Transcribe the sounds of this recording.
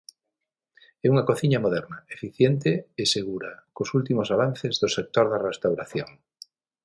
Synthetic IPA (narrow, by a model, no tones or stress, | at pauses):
ɛuŋakoθiɲamoðɛɾnaefiθjent̪eeseɣ̞uɾakosult̪imosaβ̞anθezðosek̚t̪oɾðarest̪awɾaθjoŋ